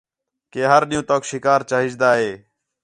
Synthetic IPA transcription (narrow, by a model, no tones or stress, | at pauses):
keːɦəɾɗɪjũːt̪oːkʃɪkaːɾt͡ʃaːɦɪd͡ʒd̪aːɦeː